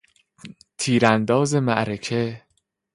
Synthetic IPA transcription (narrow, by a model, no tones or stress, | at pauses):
t̪ʰiːɾænd̪ɒːze̞mæʔɾecʰe̞